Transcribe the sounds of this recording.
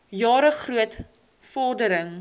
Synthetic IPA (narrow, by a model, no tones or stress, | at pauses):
jɑːɾəχruət | fɔrdəɾəŋ